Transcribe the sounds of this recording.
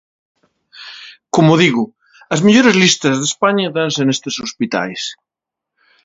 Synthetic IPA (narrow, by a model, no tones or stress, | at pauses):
komʊðiɣʊ | ɐzmeʎoɾezlist̪ɐzðespaɲɐðansenest̪esospit̪a̰js